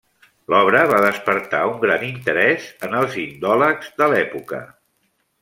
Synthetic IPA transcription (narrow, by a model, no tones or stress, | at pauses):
lɔβɾəβaðəspəɾt̪auŋɡɾanint̪əɾɛzənəlˠzind̪ɔləkzðəlɛpukə̰